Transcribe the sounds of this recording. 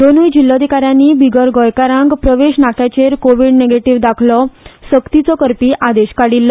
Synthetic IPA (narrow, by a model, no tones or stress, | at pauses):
d̪onujd͡ʑilːɔd̪ʱikaɾjãnːiːbʱiɡəɾɡɔjkaɾãŋɡpɾəʋeɕnakjat͡ɕeɾkoʋiɽneɡeʈiʋd̪akʰlɔsəkt̪it͡sɔkəɾpiːʔad̪eɕkaɽilːɔ